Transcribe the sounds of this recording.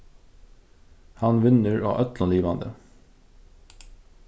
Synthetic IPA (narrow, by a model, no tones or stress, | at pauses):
hɑnʋɪnəɹo̰ːʔœt̪lɑnliːʋɑnd̪ə̰